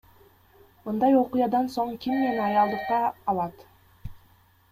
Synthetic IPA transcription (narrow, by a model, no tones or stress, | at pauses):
mɯnd̪ɑjo̞qʊjɑd̪ɑnso̞ɴkʲimnenɑjɑlˠd̪ɯqːɑːlˠɑt̪